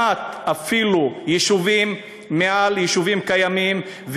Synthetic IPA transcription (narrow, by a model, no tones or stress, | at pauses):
at̪afilujiʃuvimː | ealjiʃuvimkajamim | v